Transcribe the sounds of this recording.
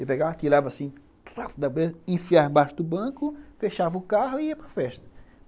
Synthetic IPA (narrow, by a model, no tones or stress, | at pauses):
ɪpeɡavɐt̪iɾavɐasĩ | t̪ɾafd̪ɐbezẽfiaɾ̃baʃʊd̪ʊbɐ̃kʊfeʃavɐʊkaɦʊiɐpɾɐfɛʃt̪ɐ̥